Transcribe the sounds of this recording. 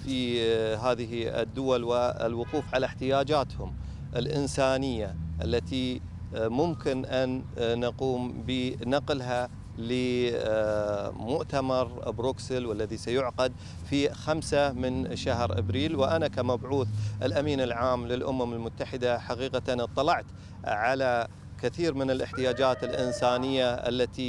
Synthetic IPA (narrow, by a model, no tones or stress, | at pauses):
fiɦaːðɪɦḭd̪ːʊwalwɪ̰lwʊquːfʕalaħt̪ɪjaːd͡ʒaːt̪hʊm | ʔɪlʔɪnsaːnɪjːaʔalːat̪i | mʊmkɪnʔanːaquːmbinɑqlɦa | lɪ | mʊʔt̪amɑɾˤbɾuksəlwalːaðisajʊʕqad̪̚ | fixamsamɪnʃaɦɾʔa̰bɾiːlwɪʔanakamabʕuːθʔɪlʔamiːnɪlʕaːmlɪlʔʊmamɪlmʊt̪ːaħɪd̪aħaqiːqant̪ˤːɑlɑʕt̪ | ʕala | kɪθiːɾmɪnɪlʔɪħt̪ɪjaːd͡ʒaːt̪ɪlʔɪnsaːnɪjːaʔa̰lːat̪i